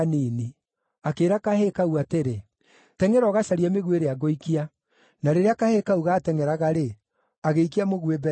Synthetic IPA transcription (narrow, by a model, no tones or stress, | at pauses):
nini | akeːɾakahekauateɾe | tɛŋɛɾɔɣaʃaɾiɛmeɣweɾeaɡoikia | naɾeɾeakahekauɣaːtɛŋɛɾaɣaɾe | aɣeikiamoɣwebɛ